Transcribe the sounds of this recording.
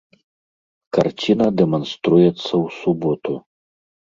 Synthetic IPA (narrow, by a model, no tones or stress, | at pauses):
kart͡sʲinɐd̪ɛmɐnst̪ɾujɛt̪sːɐwsubɔt̪u